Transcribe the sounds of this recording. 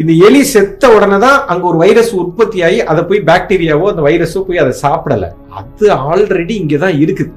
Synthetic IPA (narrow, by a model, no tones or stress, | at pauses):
ɪnd̪ɐɛɭisɛt̪ːɐɔɽɐnɐt̪ãːʔɐŋɡeɔɾɯʋɐɪɾɐsʊrpɐt̪ːɪjaːjiʔɐðɐpːoːjibaːk̚ʈiːɾɪjaːʋoːɐnd̪ɐʋɐɪɾɐsopoːjiɐðɐsaːpɽɐlːɐ̰ | ɐ̰ðɯaːlɾɛɽiɪŋɡeːt̪ãːɪɾɯkːɯ